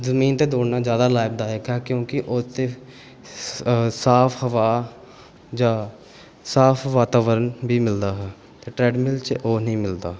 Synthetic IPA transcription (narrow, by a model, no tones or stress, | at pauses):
zəmiːnt̪eːd̪oːɽnaːd͡ʒjaːd̪aːlaːɪb̚d̪aːɦɛːkɛːkjõːkɪʔoːt̪eː | saːpʰɦəʋaː | d͡ʒaː | saːfʰʋaːt̪aːʋəɾənbiːmɪld̪aːɦɛː | t̪eːʈɾɛːɖmɪlt͡ʃʔoːnɦĩːmɪld̪aː